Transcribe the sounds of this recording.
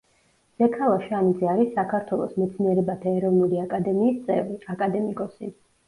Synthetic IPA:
z̥ɛkʰalˠaʃanid̪zɛaɾisːakʰaɾt̪ʰwɛlˠɔsmɛt̪sʰniɛɾɛbat̪ʰaɛɾɔvnuliakʼad̪ɛmiːst̪sʼɛ̰vɾiakʼad̪ɛmikʼɔsḭ

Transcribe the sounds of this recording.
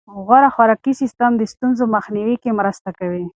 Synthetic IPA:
ɣaɾaxwaɾakisɪst̪amd̪əst̪unzomaxniwikemɾast̪akawi

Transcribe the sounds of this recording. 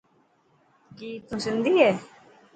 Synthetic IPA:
kiːt̪ũːsɪ̃nd̪iːɦɛː

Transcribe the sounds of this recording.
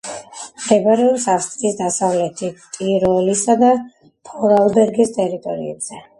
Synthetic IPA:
md̪ɛbaɾɛɔpsafst̪ʼɾisd̪asavlɛt̪ʰit̪ʼiɾɔlisad̪a | pʰɔɾalˠbɛɾɡist̪ʼɛɾit̪ʼɔɾḭɛbz̥ɛ

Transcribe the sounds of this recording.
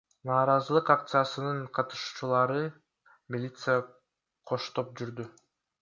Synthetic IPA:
nɑːɾɑzɯlˠɯqak̚t̪sɨjasɯnɯɴqʰɑt̪ɯ̥ʃuːt͡ʃulˠɑɾɯ | mʲilʲit̪sɨja | qʰo̞ʃt̪o̞p̚d͡ʒyɾd̪y

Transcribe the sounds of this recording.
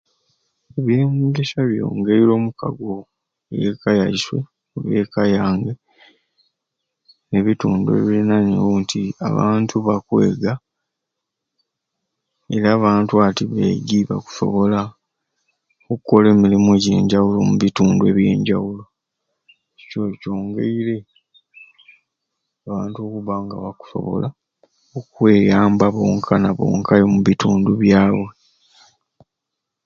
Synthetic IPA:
eβje̞ːmɡeʃaβjo̰ːŋɡeβilo̞ːmuka̰ɡo̞ | jekajaiswe̞̰ | uβe̞ːkajaːŋɡe̞ | neβituːndue̞̰βiɾinanḛwontʰia̰βa̰ːntʰuβakwe̞ːɡa | e̞ɾaːβaːntuatiβḛɟiːβa̰ku̥so̞̰βo̞la | okukːo̞le̞ːmilimoɟe̞̰ːɲɟawulo̞̰muβituːndwe̞̰βje̞̰ːɲɟawulo̞ | cico̞co̞ːŋɡḛiɾe̞ | aβaːntuo̞kuβaŋɡaβaku̥so̞̰βo̞̰la | okwe̞ːjaːmbaβo̞ːŋkʰanaβo̞̰ːŋkʰajomuβituːnduβjaːwwe̞

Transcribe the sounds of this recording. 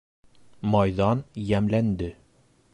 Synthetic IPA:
mɑjðɑnjæmlænd̪ɘ

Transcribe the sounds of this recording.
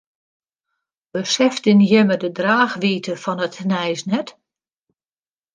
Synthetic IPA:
bəsɛftɪnjɪmədədraːxʋiːtʰəfɔnətnɛjsnɛt

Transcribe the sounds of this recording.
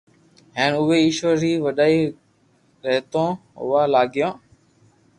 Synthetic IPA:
ɦeːnʊʋeːɪʃʋəɾɦiːʋəɗaːiː | ɾəɦt̪õːʊ̰ʋaːlaːɡɪjõː

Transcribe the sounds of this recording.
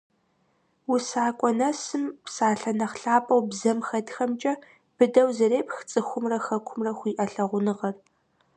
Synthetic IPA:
wsaːkʷʼɔnɐsɨmpsaːɬɐnɐχɬaːpʼɐwbzɐmxɐdxɐmt͡ʃʼɐ | b̥ɨdɐwzɐreːpʰʼxt͡sʼɨxʷʊmrɐxɐkʷʰʊmrɐxʷiːʔɐɬɐʁʷʊnɨʁɐr

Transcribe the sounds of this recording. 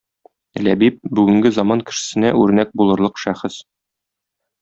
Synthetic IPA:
læ̰bip̚bʉɡɘ̆ŋɡɘzɑmɑnkɘ̆ʃɘ̥̆sɘ̆næʉɾnæk̚bulˠɤ̆ɾlˠɤqʃæχɘs

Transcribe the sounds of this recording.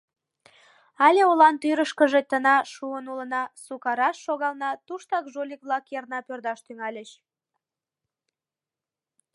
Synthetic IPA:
ɑlʲeolɑnt̪yɾəʃkəʒet̪ənɑʃuənulə̆nɑsukɑɾɑʃːoɣɑlnɑt̪uʃt̪ɑkʒolʲik̚βlɑkjernɑpørd̪ɑʃt̪yŋɑlʲəʃ

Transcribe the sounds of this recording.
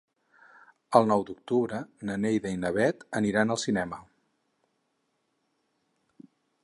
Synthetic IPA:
əlˠnɔwd̪uk̚t̪uβɾənənejðəinəβ̞ɛt̪əniɾanəlˠsinɛmə

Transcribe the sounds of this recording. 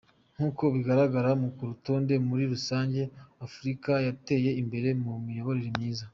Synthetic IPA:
ŋ̥huːko̞βiɡaɾaɡaɾamukuɾuto̞ːnde̞muɾiɾusaːɲɟe̞afuɾikajate̞je̞imbe̞ɾe̞mumijo̞βo̞ɾeɾimɲiːza

